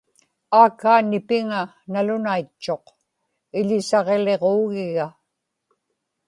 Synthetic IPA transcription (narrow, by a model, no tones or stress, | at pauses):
aːkːaːnɪpɪŋa | nalʊnait͡ʃːo̞q | ɪʎɪsɑʁe̞le̞ʁoːɣɪɣa